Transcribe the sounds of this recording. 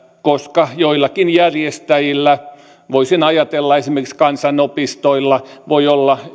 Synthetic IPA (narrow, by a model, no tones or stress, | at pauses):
koskɑjoilːɑkinjærjest̪æjilːæ | ʋoisinɑjɑt̪elːɑesimerkiskɑnsɑnopist̪oilːɑʋoiolːɑ